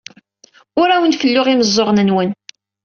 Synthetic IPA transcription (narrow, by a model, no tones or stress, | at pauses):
ʊɾæwənfəlːʊʁiməzˤːoʁnənwən